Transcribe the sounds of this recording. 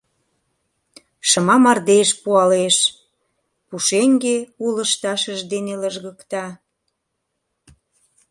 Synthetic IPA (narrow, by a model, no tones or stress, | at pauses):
ʃəmɑmɑrd̪eʃpuɑleʃ | puʃeŋɡeuləʃt̪ɑʃəʒd̪eneləʒɣəkt̪ɑ